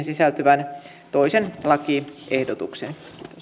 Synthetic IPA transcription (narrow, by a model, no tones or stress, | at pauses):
nsisælt̪yʋæn | t̪oisenlɑkiʔehdot̪uksen